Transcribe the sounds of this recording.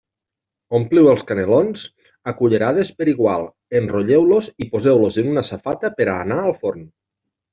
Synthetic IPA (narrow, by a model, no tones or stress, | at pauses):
ompliwelˠskanelonz | akuʎeɾaðespeɾiɣwalˠ | enroʎewlozipozewlozenunasafat̪apeɾaːnaːlˠfoɾn